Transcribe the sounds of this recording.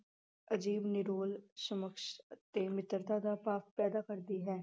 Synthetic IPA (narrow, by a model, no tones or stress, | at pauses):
əd͡ʒiːbnɪɾoːlsəməkʃt̪eːmɪt̪əɾt̪aːd̪aːpaːfpɛːd̪aːkəɾd̪iːɦɛː